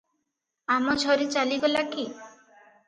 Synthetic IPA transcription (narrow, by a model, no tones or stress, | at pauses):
amɔd͡ʒʰʱɔɾit͡ʃaliɡɔlaki